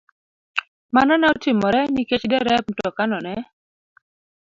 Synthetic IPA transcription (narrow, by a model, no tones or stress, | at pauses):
manɔnaotɪmɔɾɛniket͡ʃdɛɾɛpn̩tɔkanɔnɛ